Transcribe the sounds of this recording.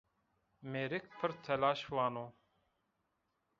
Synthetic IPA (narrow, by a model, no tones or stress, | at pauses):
meːɾik̚pʰɨɾt̪ʰɛlaːʃwaːnoː